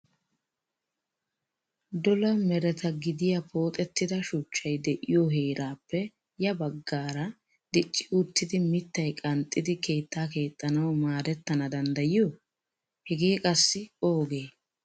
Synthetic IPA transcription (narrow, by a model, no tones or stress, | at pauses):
d̪ɔlɐmɛɾɛt̪ɐɡɪd̪ɪjɐpʰo̞ːt̪ʼɛt̪ːɪd̪ɐʃʊt͡ʃːɐjd̪ɛʔɪjoɦeːɾaːpːɛ | jɐbɐɡːaːɾɐ | d̪ɪt͡ʃʼːɪʊt̪ːɪd̪ɪmɪt̪ːɐjkʼɐnt̪ʼːɪd̪ɪke̞ːt̪ːaːke̞ːt̪ʼːɐnɐwmaːd̪ɛt̪ːɐnɐd̪ɐnd̪ɐjɪjo | hɛɡeːkʼɐsːɪo̞ːɡe̞ː